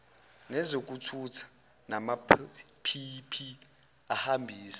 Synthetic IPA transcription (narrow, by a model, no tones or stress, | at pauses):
nɛzok̬ʼutʰutʰḁ | namapʰipʰi | ahambʱiːsḁ